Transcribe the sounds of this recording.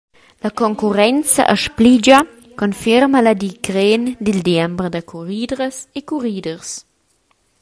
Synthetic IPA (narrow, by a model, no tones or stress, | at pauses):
lɐkoŋkuɾɛnt͡sɐ̰ʔəʃplid͡ʒɐ | konfiɾmɐlɐd̪ikɾend̪ild̪jɛmbɾdɐkʰuɾiːdɾəsekuʁiːdəʁs